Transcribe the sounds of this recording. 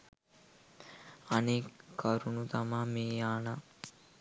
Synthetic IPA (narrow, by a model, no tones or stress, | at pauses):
ɐnekʰːɐɾunut̪amameːjaːna